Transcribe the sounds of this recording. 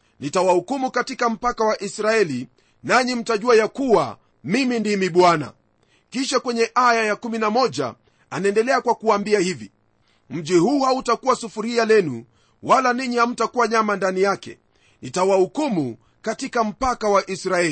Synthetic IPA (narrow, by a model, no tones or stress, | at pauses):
nitawahukumukatikam̩pakawaʔisɾaɛli | naɲim̩taʄuajakuwa̰ | mimindimiɓwana̰ | kiʃakwɛɲɛʔajajakuminamɔʄa̰ | anaɛndɛlɛakwakuaːmbiahivi | m̩ʄihuːhautakuwasufuɾialɛnṵ | walaniɲiham̩takuaɲamandanijakɛ̰ | nitawahukumu | katikam̩pakawaʔisɾaɛli